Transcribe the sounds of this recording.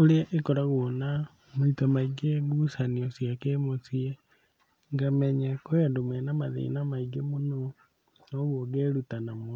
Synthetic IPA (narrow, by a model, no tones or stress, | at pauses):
oleeʔekɔɾaɣwona | moitamaiɡeɡusaniɔsjakemosie | ŋɡamɛɲakoandomɛnamaðḛinamaiɡemono | noɣwoɡeɾutanamo